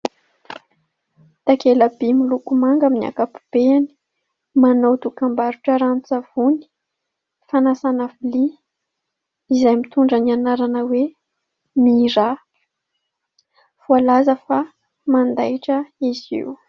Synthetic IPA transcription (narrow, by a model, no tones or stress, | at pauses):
t̪akeləbimilukumaŋɡaminia̰kapu̥b̥eani̥ | manowt̪ukambaɾuʈ͡ʂəɾanut͡sav̥uni̥ | fanasanavili | izajmit̪uɳɖ͡ʐənianaɾanəwe | miɾa | v̥ualazəfa | mand̪ajʈ͡ʂəizḭw